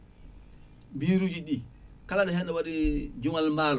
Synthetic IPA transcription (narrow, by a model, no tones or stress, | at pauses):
biːɾud͡ʒiɗi | kalaɗɔhɛnɗɛwaɗid͡ʒuŋalmaːlɔ